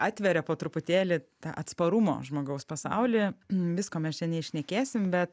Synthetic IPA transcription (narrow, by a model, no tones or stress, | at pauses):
ɑːt̪ʲʋʲɛɾʲɛpoːt̪ɾʊpʊt̪ʲeːlʲɪt̪ɑ̰ːʔɐt̪spɐɾʊmo̰ːʒmoːɡɐʊspɐsɑ̰ʊlʲɪʋʲɪskoːmʲɛst͡ʃʲɛnʲɛɪʃʲnʲɛkʲeːsʲɪmbʲɛt̪